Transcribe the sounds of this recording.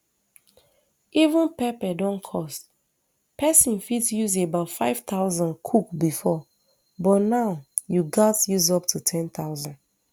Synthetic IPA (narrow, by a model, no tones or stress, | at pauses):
ʔivũnpɛpɛdɔ̃nkʰɔst | pʰɛsĩnfidsjuzebaʊtfaɪv̥t̪aʊzɔ̃nkʰukbifɔ | bɔtnaʊjuɡatjuzɔp̚tʰutʰɛ̃nt̪aʊzɔ̃nd